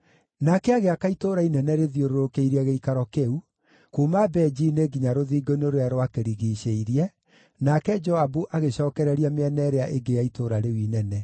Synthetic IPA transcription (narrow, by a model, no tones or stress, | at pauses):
nakɛaɣeakaitoɾainɛnɛɾeðjoɾoɾokeiɾiaɣeikaɾɔkeu | kumabɛd͡ʒineɡiɲaɾoðiːɡoinoɾojaɾowakeɾiɣiːɕeiɾiɛ | nakɛd͡ʒɔabuʔaɣeɕɔːkɛɾɛɾiameɛnɛɾeaʔeɡejaitoːɾaɾewinɛnɛ